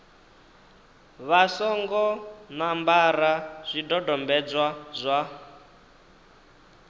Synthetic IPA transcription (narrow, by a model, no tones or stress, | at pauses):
βasɔŋɡɔnambaɾaz̥ʷidɔdɔmbɛd͡zwazʷa